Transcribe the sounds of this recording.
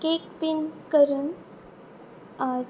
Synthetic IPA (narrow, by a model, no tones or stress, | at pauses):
kekpinkəɾuːn